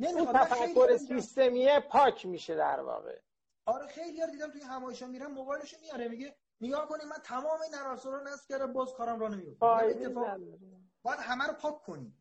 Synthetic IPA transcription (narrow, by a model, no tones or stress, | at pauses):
nemiiɑæfækʰːoɾesist̪e̞miepʰɒːcʰmiːʃed̪æ̰ɾvɒ̰ːɣḛ | ɒɾexe̞jlijɒɾd̪id̪æmt̪ʰujeɦæmɒːjeʃɒːmːiɾæmmoɣɒjeleʃumijɒɾemiɟe | neɡɒːhko̞nimænt̪ʰæmɒːmeinæɾɒːsɔɾɔɾonæsfcʲʰæɾd̪æmbɒːzkʰɒːɾæmɾɔnemijofɒːeet̪ːefɒːæbɒːjæd̪hæmæɾopʰɒːkʰːonim